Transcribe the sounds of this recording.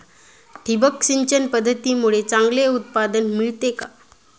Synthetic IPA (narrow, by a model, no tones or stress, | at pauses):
ʈʰibəkɕiɲt͡ɕənpəd̪ʱːət̪iːmuɭet͡saŋɡleut̪̚pad̪ənmiɭt̪eka